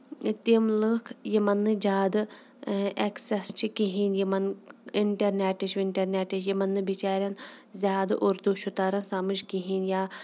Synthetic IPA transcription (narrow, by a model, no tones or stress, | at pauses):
t̪imlɨkʰjimɐnːɨd͡ʒaːd̪ɨ | ʔeksest͡ʃʰikiɦiːnjimɐniɳʈɐɾneʈit͡ʃʰʋiɳʈɐɾnʲeʈit͡ʃjimɐnːɨbit͡ʃaːɾʲɐnzʲaːd̪ʔuɾd̪uʃut̪aːɾɐnsamɨʃkiɦiːnjaː